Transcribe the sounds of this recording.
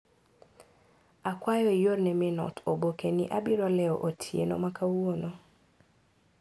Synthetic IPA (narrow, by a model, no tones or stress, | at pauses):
akwajɔijoɾnɛmɪnɔ̰tʰobokenɪ̰ʔabɪɾɔlɛɔʔotʰjḛno̰makawono